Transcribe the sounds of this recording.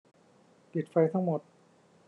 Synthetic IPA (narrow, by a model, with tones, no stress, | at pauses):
t̪i˨˩t̪̚fa˧jt̪ʰa˦˥˩ŋmo˨˩t̪̚